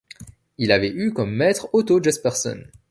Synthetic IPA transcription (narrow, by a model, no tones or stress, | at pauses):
ilavɛykɔmːɛt̪χot̪od͡ʒɛspɛʁsɔ̰n